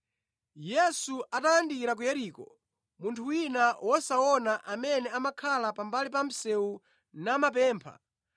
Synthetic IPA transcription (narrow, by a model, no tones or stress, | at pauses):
jɛsuʔatajandiiɾak̬ujɛɾiːkɔ | muntʰuwinawʔɔsaɔnaʔamɛnɛamakʰalapambalipam̩sɛu | namap̬ɛːmpʰa̰